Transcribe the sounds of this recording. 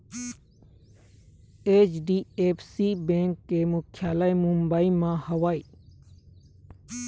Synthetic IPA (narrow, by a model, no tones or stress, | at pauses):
eːt͡ʃɖiːeːpsiːbẽːŋkːemʊkʰjaːlaːjmumbaːimãhɐʋaːi